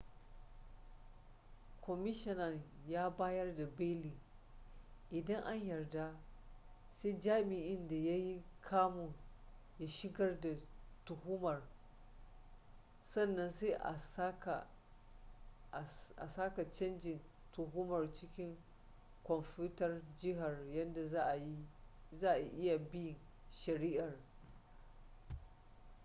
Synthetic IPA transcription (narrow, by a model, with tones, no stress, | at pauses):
kʰʷɔ˨mɪ˦ʃɪ˦nɐ˨ŋjaː˦baː˦jɐ˦rda˨beː˦liː˨ | ʔɪ˨dɐ˦ŋʔa˦ɲjɐ˨rda˦ | se˦d͡ʒaː˦mɪ˨ʔɪ˦nda˨ja˦ji˦kʰaː˦mu˨ | ja˦ʃɪ˦ɡɐ˦rda˨tʊ˨hʊ˦mɐ˨r | sɐ˦˨nːɐ˦nse˦ʔa˨˦ka˨ | ʔa˨saː˦ka˨t͡ʃɐ˦nd͡ʒɪ˨n | tʊ˨ɦʊ˦mɐ˨rt͡ʃɪ˦kʲɪ˦ŋ | kʷɔ˨mpuː˦tɐ˨rd͡ʒɪ˦ɦa˨rjɐ˦nda˨za˦ʔjzaː˦ʔa˨ʔɪ˦ja˨bɪ˦jɪ˨n | ʃɐ˨ɾiː˦ʔɐ˨r